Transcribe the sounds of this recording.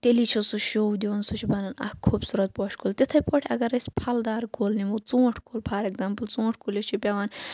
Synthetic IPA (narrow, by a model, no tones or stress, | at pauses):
t̪ʲelit͡ʃʰosuʃowd̪iʋɐnsut͡ʃʰibɐnɐnɐ̰kʰːuːbsuːɾɐt̪̚pɔːʃkʰoːlt̪ʲet̪ʰɐpɔʈʰʲɐ̰ɡɐɾɐsʲpʰɐld̪aːɾkʰoːlnimot͡sõːʈʰkʰoːlpʰaːɾeɡzaːmpəlt͡sõːʈʰkʰolet͡ʃʰipʲaʋaːn